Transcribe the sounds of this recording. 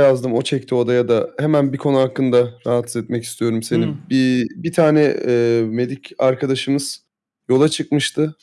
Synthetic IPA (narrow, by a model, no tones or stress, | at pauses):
jazd̪ɯmo̞t͡ʃʰɛc̚t̪ʰio̞d̪ajad̪ahemænbikʰo̞nuakːɯnd̪aɾaɦat̪sizɛt̪̚mɛci̥st̪ʰijo̞ɾumse̞nibibit̪ʰaːnɛːme̞d̪icʰaɾkʰad̪aʃɯmɯz̥ | jo̞lˠat͡ʃʰɯk̚mɯʃt̪ʰɯ